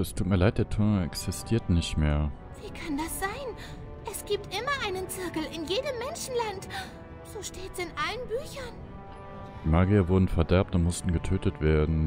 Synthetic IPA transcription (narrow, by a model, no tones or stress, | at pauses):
ɛstʰuːt̚miːɐlaɪt̚d̥eːɐtʰʊɐnɛksɪstʰiːɐtnɪçtmeːɐ | v̥iːkʰandasz̥aɪn | ʔɛsɡ̥iːp̚tʔɪmɐʔaɪnənt͡sɪɐkl̩ɪnjeːdəmːɛnʃn̩lant | z̥oːʃteːtsɪnʔalənbyːçɐn | d̥iːmaːɡiɐvʊɐdn̩fɛɐdɛɐp̚tʊntmʊstn̩ɡətʰøːtətv̥eːɐdn̩